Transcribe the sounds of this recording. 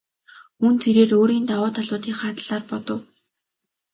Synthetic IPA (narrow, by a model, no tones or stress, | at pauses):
unt̪ʰeɾeːroːɾiːnt̪awʊːt̪ʰaɮʊːt̪iːŋχaːt̪ɮ̥aːrpɔt̪ɞ̆w